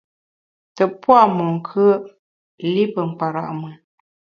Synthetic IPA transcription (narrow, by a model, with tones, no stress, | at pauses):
tə˨pwa˦˨mu˨ŋ̩˨kʰə˦ə˦ | li˦pə˨m̩˨pa˨ɾa̰˨ʔmə˨